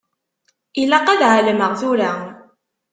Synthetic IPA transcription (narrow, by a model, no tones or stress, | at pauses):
ilæqaðʕaləməʁθuɾa